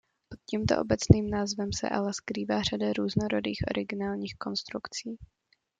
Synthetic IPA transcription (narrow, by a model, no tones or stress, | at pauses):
pot̪̚ciːmt̪oʔo̰bɛt͡sniːmnaːzvɛmsɛ̰ʔa̰lɛskɾiːvaːr̝adaɾuːznoɾodiːxʔo̞̰ɾʔɪɡɪnaːlɲiːxko̞nst̪ɾukt͡siː